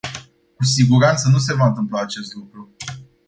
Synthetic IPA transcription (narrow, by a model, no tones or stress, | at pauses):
kusiɡuɾant̪sənus̬e̞vaɨnt̪ɨmplaːt͡ʃe̞st̪lukɾu